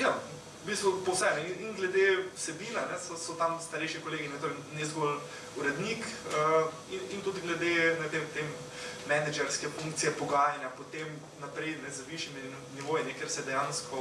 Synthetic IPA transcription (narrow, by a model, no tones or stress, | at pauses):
ja | biːst̪ʋupɔwsɛmnɛininɡlɛd̪ewsɛbiːnanɛsɔsɔt̪amst̪ɐɾɛɪʃikoleːɡinɛt̪oːɾɛnɛzɡɔl | uɾɛd̪nikə | inint̪ud̪ɡlɛd̪enɛt̪emt̪emː | ɛnɛd͡ʒɛɾskɛfũŋk̚t̪sijɛpɔɡaːjanjapɔt̪em | napɾɛɪnɛzʋiʃjimi | niʋoːjinɛkeɾsɛd̪ɛjanskɔ